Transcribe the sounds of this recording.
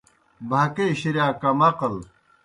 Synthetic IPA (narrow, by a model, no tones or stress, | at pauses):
bʱakeːɕiɾjaːkɐmɐqɐl